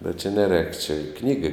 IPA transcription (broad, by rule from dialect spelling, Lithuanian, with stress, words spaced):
bʲɛt t͡ʃʲɛ nʲɛˈrʲɛːk t͡ʃʲɛ ˈknʲiːɡɐɪ